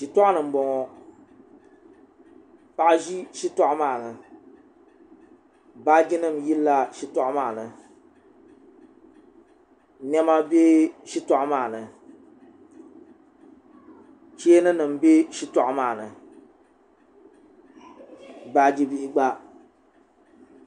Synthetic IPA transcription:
ʃi˨tɔ˦ʔnɨ˨m̩˦bɔ˨ŋɔ˦ | pa˨ʔʒi˦ʃi˦tɔ˦ʔmaː˦˨nɨ˨ | baː˦ɡi˦nɨ˦˨mji˦lːa˦ʃi˦tɔ˦ʔmaː˦˨nɨ˨ | nɛ˦ma˦be˦ʃi˦tɔ˦ʔmaː˦˨nɨ˨ | t͡ʃe˦e˦nɨ˦nɨ˨m̩˨be˦ʃi˦tɔ˦ʔʊ˦maː˦˨nɨ˨ | baː˦˨d͡ʒi˦bi˦ʔɪ˦ɡ͡ba˦

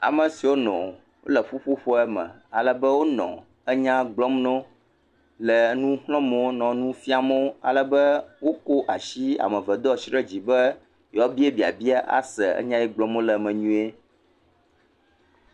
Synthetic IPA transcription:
a̰˨mə̃˨si˨wo˦nɔ̰̃˨ | wo̰˦lə˨ɸu˦ɸu˦ɸɔ˦ɛ˦mɛ̰̃˨ | a˨lə˦bə˦wo˦nɔ̰̃˨ | ə˦ɲã˦ɡ͡blɔ˦mnɔ̃˦ | lɛ˨˦nũ˦xlɔ̃˦mɛ˨wo˦nɔ̃˨nũ˦fi˦a˨mɛ˦wo˦a̰˨lə˦bə˦wo˦ko˦ʔa˨ʃi˦a̰˨mə̃˨və˨d̪ɔ˦ʃi˦ɾə˦d͡ʑi˨bə˦ | jɔ˦bi˦e˦bi˨a̰˨bi˦a˦ʔa̰˦sɛ˨ɛ̰˦ɲã˦jɛ˦ɡ͡blɔ̃˦m˦õ˦lɛ˨mɛ̃˨ɲũ˦e˦

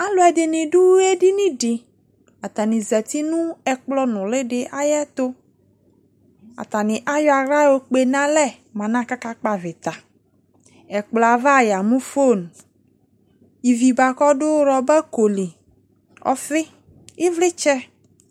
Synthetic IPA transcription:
a˦lo˨˦ɛ˨dɪ˨nɪ̃˨ɖu˦we˦ɖi˦nĩ˦ɖɪ˨ | a˨t̪a˨nĩ˨zɛ˨t̪i˦nũ˦ɛ˨k͡plɔ˦nʊ̃˨le˦ɖɪ˨ʔa˦jɛ˦t̪o˦ | a̰˨t̪a˨nɪ̃˨ʔa˦jɔ˦a˨ɣɾa˦wo˦k͡pe˨nã˦lɛ˦˨ | mã˨nã˦ka˦ka˦k͡pa˨vɪ˨t̪a˨ | ɛ˨k͡plɔ˨a˨va˦˨ja˨mũ˦fo˦˨n˨ | i˨vi˨ba˨kɔ˦ɖʊ˦ɾɔ˨bɛ˦ko˨li˨ | ɔ̰˦fɪ˦ | ɪ˦vlɪ˦t͡ʃɛ˦

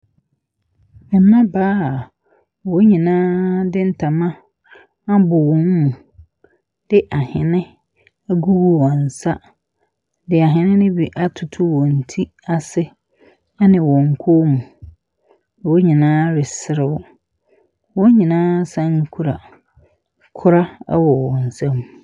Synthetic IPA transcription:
mɪ̃˨˦ã˦baː˦˨ | wɔ˨˦ɲĩ˨nãː˦dɪ˦n̩˦tʰa˨mã˦ | a˦bʊ˨wɔ̃˦m˦mũ˨ | d̥ɪ˦ʔa˨hɪ̃˨nɪ̃˦ | ɡu˦wu˦wɔ̃˨n̩˨sa˦ | dɪ˨a˨ɦɪ̃˨nɪ̃˦nɪ̃˦bi˨ʔa˦tʰʊ˨tʰʊ˦wɔ˨n̩˨tʰi˦ | a˨sɪ˦ | a˦nɪ̃˨wɔ̃˨ŋ̩˨kʰo˦mũ˨ | wɔ˦ɲĩ˨nãː˦ɾɪ˨sɪ˨˦ɾɪ˦wʊ˦ | wɔ˦ɲĩ˨nãː˦sã˦ŋ̩˦kʰu˦ɾa˨ | kʰʊ˦ɾa˦a̰˦wɔ˨wɔ̃˨n̩˨sã˦m

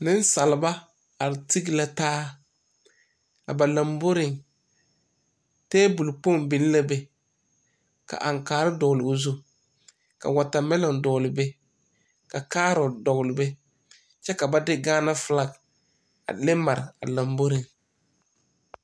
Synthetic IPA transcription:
nɪ˦n˦sa˨lɪ˨ba˦ | a˨ɾɪ˨ti˦ɡɪ˦˨la˨taː˦ | a̰˨ba˨la˨mbo˦ɾɪ˨ŋ | teː˦bu˨lpo˦˨mbɪ˨n˦la˦be˦ | ka̰˨ʔa˨ŋkaː˨ɾɪ˦dɔ˨ɣlɪ˨ʊ˨zu˦ | ka̰˨wa˨ta˨mɛ˦lɔ˨ŋdɔ˨lɪ˨be˦ | ka˨kaː˦ɾɔ˨dɔ˨ɣlɪ˨be˦ | t͡ʃɛ˦ka˨ba˦dɪ˦ɡaː˦na˦fɪ˨la˦ɡ | a̰˨lɪ˦ma˨ɾɪ̰˨a̰˨la˨mbo˦ɾɪ˨ŋ

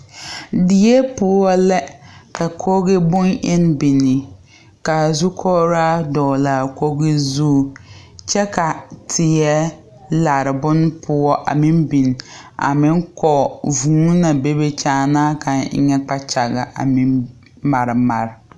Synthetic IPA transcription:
dɪ˨je˦pʊ˦ɔ˦lɛ˦ka˨kʰo˦ɣɪ˦bʊ˦nʔɪ˦n˦bi˨nɪ˨ | ka˨zu˦kʰɔ˦ɾaː˦dɔː˨la˨ko˦ɣɪ˦zuː˦˨ | t͡ʃɛ˦ka˨tʰɪ˨ɛ˦ | la˨ɾɪ˨bʊ˦n˦pʰʊ˦ɔ˦ʔa̰˨mɪ̃˦nbi˨n˨a̰˨mɪ˦ŋkɔ˨vuː˨˦na˨be˦be˨t͡ʃaː˦naː˦ka˨nɪ̰˦ɲɛ˦k͡pa˦t͡ʃa˨ɣa˨ʔa̰˨mɪ˦ | ma˨ɾɪ˨ma˨ɾɪ˨

